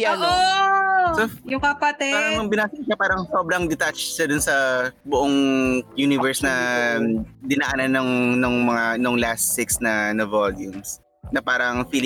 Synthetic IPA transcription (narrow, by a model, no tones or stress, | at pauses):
ɐno | sojʊkɐpɐt̪ɛaɾɐŋmɐŋbɪnaːsɪkʃɐpaːɾɐŋsobɾɐŋd̪ɪt̪at͡ʃʃɐd̪ʊnsɐbʊʔoŋjunɪvɛɹsnɐ | d̪ɪnaːʔɐnɐnɐŋnoŋmɐŋanoŋlast̪ɪksnɐnɐvoljʊms | nɐpaːɾɐŋfil